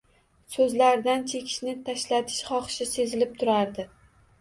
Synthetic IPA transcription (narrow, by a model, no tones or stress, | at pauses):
sɵzlaɾd̪ant͡ʃʰe̞kʲʰɪ̥ʃnɪt̪ʰaʃlat̪ʰɪ̥ʃχɒχʃɪse̞zɪlɪp̚t̪ʰʊɾaɾd̪ɪ